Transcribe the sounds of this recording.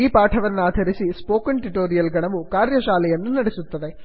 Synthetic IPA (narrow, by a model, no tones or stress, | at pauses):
iːpaːʈʰɐʋɐnːaːd̪ʱɐɾisispo̞ːkɐɳʈiʈoːɾijɐlɡɐɳɐʋukaːɾjɐʃaːlɐjɐnːunɐɽisut̪ːɐd̪e